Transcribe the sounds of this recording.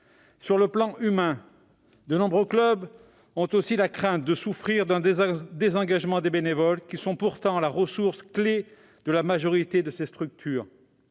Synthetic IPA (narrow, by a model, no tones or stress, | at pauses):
syʁləplɑ̃ʔymɛ̃ | d̪ənɔ̃bʁøklœb | ɔ̃t̪osilakχɛ̃t̪̚d̪əsufχiʁd̪ɛ̃d̪ezɑ̃ɡaʒmɑ̃d̪ebenevɔlkʲisɔ̃puʁt̪ɑ̃laʁəsuʁskle | d̪̥əlamaʒɔʁit̪ed̪əsest̪χyk̚t̪ʰyːʁ